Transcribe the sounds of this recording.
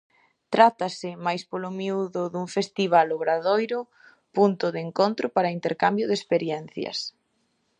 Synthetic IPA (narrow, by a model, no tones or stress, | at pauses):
t̪ɾat̪ɐsɪmajspolʊmiuðʊðuŋfest̪iβ̞aloɣɾaðojɾʊ | punt̪ʊðɪeŋkont̪ɾʔʊpaɾɐint̪eɾkambjʊðespeɾjɛn̟θjɐ̰s